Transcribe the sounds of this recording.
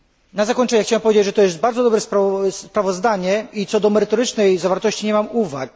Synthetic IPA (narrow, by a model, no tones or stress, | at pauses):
nazakɔɲt͡ʂɛɲɛxt͡ɕawɛmpɔvʲed͡ʑed͡ʑʐɛt̪ɔjɛst̪̚baɾdzɔd̪ɔbɾɛspɾspɾavɔzd̪aɲɛit̪sɔd̪ɔmɛɾɘt̪ɔɾɘt͡ʂnɛjzavaɾt̪ɔɕt͡ɕiɲɛmamuva̰k̚